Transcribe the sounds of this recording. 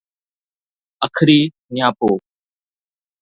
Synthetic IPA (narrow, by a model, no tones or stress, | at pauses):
əkʰɾiː | nɪjaːpoː